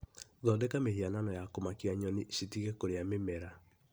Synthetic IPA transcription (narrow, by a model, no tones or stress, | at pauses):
ðɔndɛkameɦiananɔjakomakiaɲɔniɕitiɣɛkoɾeamemɛɾa